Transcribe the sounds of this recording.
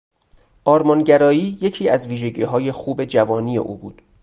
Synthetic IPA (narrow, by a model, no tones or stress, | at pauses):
ʔɒːɾmɒnɟæɾɒːiːje̞cʰiːæzviːʒe̞ɟiːɦɒːje̞xuːbe̞d͡ʒævɒːnije̞̰ʔṵːbuːd̪̥